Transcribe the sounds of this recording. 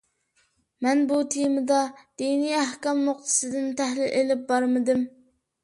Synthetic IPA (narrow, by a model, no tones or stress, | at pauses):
mɛnbut̪ʰijmɨd̪ɑd̪̥inijæhkʲɑmnʊq̚t̪ʰɨ̥sɨd̪ɪnt̪ʰæhlɪlʔelɪp̚bɑɾmɨd̪ɪm